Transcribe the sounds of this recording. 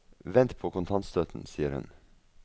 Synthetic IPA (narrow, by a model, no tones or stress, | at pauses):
ʋɛnt̪pʰoːkʊnt̪ʰɑnt̪st̪øːt̪n̩siːəɾhʉ̰n